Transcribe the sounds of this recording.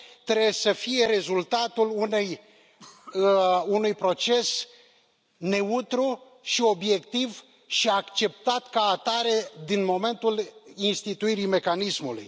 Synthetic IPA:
t̪ɾesəfije̞ɾe̞zult̪at̪ulunej | unujpɾo̞t͡ʃe̞s | ne̞ut̪ɾu | ʃio̞bje̞kt̪iv | ʃiakt͡ʃe̞p̚t̪at̪kaːt̪aɾe̞d̪inmo̞me̞nt̪ulinst̪it̪uiɾime̞kanismulṵj

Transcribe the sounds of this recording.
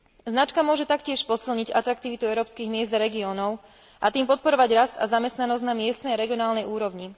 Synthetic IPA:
znat͡ʃkamʊɔʒɛt̪akcɪɛʃpɔsilɲiɟa̰t̪ɾakt̪iʋit̪uɛʊɾɔːpskiɣmɪɛzd̪aɾɛɡiɔːnɔʊ | ʔat̪iːmpɔt̪̚pɔɾɔʋaɟɾast̪azamɛst̪nanɔzɟnamɪɛst̪nɛjaɾɛɡiɔnaːlnɛjuːɾɔʋɲi

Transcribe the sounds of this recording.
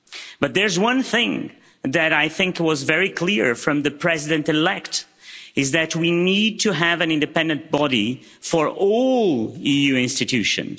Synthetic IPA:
b̥ʌt̪̚ðə˞zwʌ̃nθɪ̃ŋ | ðɨɾaɪθɪ̃ŋkwʌzvɛɹikʰl̥ɪɹfɹʌ̃mðɨpʰɹ̥ɛzɪdɨ̃ntɨlɛkt | ɨzðɨt̚ʰwinid̚tʰɨɦævɨ̃nɪ̃ndɨpɛ̃ndɨ̃nt̚b̥ɑɾi | fə˞ʔɔlˠijʉɪ̃nstɨtʰʉʃɨ̰̃n

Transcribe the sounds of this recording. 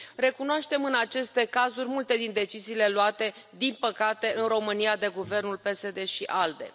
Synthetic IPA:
re̞kunoaʃt̪e̞mɨnat͡ʃe̞st̪e̞kazurʲmult̪e̞d̪ind̪e̞t͡ʃiziːle̞lwat̪e̞ | d̪inpəkat̪e̞ʔɨnro̞mɨniad̪e̞ɡuve̞rnulpe̞se̞d̪e̞ʃiʔald̪e̞̰

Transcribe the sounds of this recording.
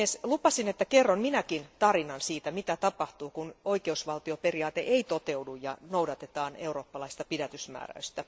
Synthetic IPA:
eslupɑsinet̪ːækerːonminækint̪ɑrinɑnsiːt̪æmit̪æt̪ɑpɑht̪uːkunoikeusʋɑlt̪ioperiɑːt̪ḛʔeit̪ot̪eudujjɑ̰noudɑt̪et̪ɑːneuroːpːɑlɑist̪ɑpidæt̪ysmæ̰ːræ̰yst̪æ

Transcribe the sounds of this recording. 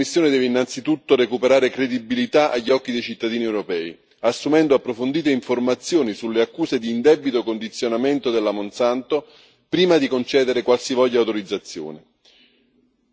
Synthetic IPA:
misːjoːned̪ɛːveinːant̪sit̪ut̪ːoɾekupeɾaːɾekɾed̪ibilit̪aʔaʎːɔkːid̪ejt͡ʃit̪ːad̪iːniewɾopɛːi | asːumɛnd̪oapːɾofond̪iːt̪eiɱformat̪sːjoːnisulːeakːuːsed̪iːnd̪ɛbit̪okond̪it̪sːjonament̪od̪elːamonsant̪o | pɾiːmad̪ikont͡ʃɛːd̪eɾekwalsivɔʎːawt̪oɾid̪zːat̪sːjo̰ːne

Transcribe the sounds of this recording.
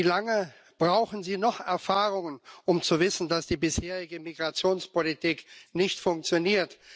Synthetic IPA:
ilaŋə | b̥ʁaʊxn̩ziːnɔχɛɐfaːʁʊŋənʔʊmt͡suvɪsn̩dasd̥iːbɪsheːʁɪɡəmiɡʁat͡sjoːnspolitiːknɪçtfʊŋk̚t͡sjoniːɐt

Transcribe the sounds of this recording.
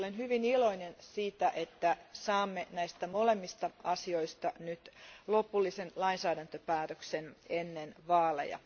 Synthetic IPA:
olenhyʋiniloinensiːt̪æʔet̪ːæsɑːmːenæist̪æmolemːist̪ɑɑsio̞ist̪ɑnyt̪lopulːisenlɑinsæːdænt̪øpæːt̪øksenenːenʋɑːlḛjɑ̰

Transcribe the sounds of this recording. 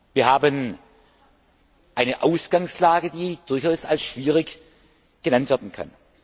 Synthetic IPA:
viːɐɦaːbən | ʔaɪnəʔaʊsɡ̥aŋslaːɡədiːd̥ʊɐçaʊsalsʃv̥iːʁɪç | ɡ̥ənantv̥ɛɐdn̩kʰa̰n

